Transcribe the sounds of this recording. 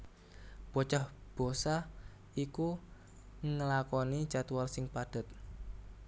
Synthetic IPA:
b̥ot͡ʃahb̥o̤sa | iku | ŋəlakɔni̥t͡ʃat̪walsɪŋpad̥a̤t̪̚

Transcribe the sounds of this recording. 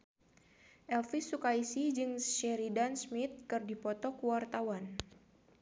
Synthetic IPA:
ʔɛlfisukaisid͡ʒɨŋsʃɛɾidansmit̪̚kɨrdipɔt̪ɔkuwart̪awan

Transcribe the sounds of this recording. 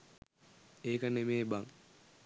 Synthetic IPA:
eːkənemeːbaŋ

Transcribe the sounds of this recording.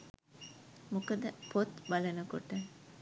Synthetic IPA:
mukɐd̪əpʰot̪bɐlɐnukoʈə

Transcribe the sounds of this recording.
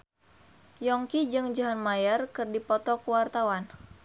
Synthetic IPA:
jɔŋkid͡ʒɨŋd͡ʒaɦanmajərkɨrdipɔt̪ɔkuwart̪awan

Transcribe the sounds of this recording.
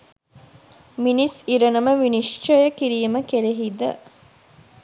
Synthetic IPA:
minisiɾɐnɐməʋinist͡ʃojəkiɾijəməkeɾeɦid̪ə̰

